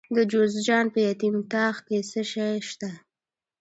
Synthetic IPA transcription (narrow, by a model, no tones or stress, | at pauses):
d̪əd͡ʒozd͡ʒɑnpəjat̪imt̪ɑxkesəʃajʃt̪a